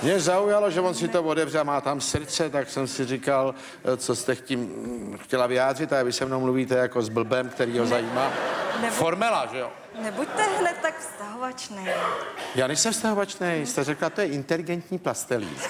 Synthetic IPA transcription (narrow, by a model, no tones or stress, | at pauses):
mɲɛzaujaloʒɛvonsɪt̪ovodɛvrɛmaːt̪amsɾt͡sɛt̪aksɛmsɪrɪkal | t͡so̞st̪ɛxcimxcɛlavɪaːd̪r̝ɪt̪avɪsɛvnowmluviːt̪ɛjako̞zbl̩bɛmkt̪ɛɾiːɦo̞zajiːmaːnɛfoɾmɛlaʒɛjo | nɛbuct̪ɛɦlɛt̪akfst̪aɦovat͡ʃnɛjjaːnɛjsɛmfst̪aɦo̞vat͡ʃnɛjst̪ɛrɛklat̪o̞jɛʔɪnt̪ɛlɪɡɛnt̪ɲiːplast̪ɛlḭː